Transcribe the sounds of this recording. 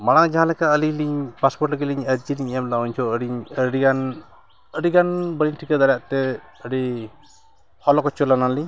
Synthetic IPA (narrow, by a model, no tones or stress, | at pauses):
maɽ̃ad͡ʒaɦãlɛkaəliɲliɲpaspɔɾʈəɡiliɲəɾd͡ʒiniɲiɲamd̪awuɲt͡ʃʰɔəɽiɲəɽikan | əɽiɡanbəɽiɲʈʰikad̪aɾjaʔt̪ɛ | əɖi | hɔlɔkɔt͡ʃɔlanaliɲ